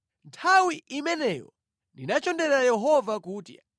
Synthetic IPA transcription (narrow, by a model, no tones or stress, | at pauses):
ntʰawiʔimɛnɛjɔ̰ | ndinat͡ʃɔndɛɾajɛɦɔvakuːtja